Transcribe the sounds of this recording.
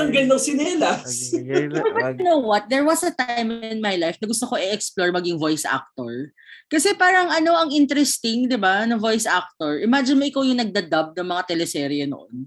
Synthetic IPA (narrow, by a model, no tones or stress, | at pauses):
ɐŋɡɛnːoŋsɪnɛlɐswɛlbɐt̪̚jʊnowwɐt̪̚d̪ɛɹwɐsɐt̪ajmɪnmajlajfnɐɡʊst̪okoʔɪʔɛksploɹmɐɡɪŋvojsʔa̰k̚t̪oɹ | kɐsɛpaːɾɐŋɐno̞ʔɐŋʔɪnt̪ɾɛst̪ɪŋd̪ɪbanɐvo̞jsʔak̚t̪oɹʔɪmad͡ʒɪnmoʔɪkawjʊŋnɐɡ̚d̪ɐd̪ɐb̚nɐŋmɐŋat̪ɛlɛsɛɾiɐnoʔo̰n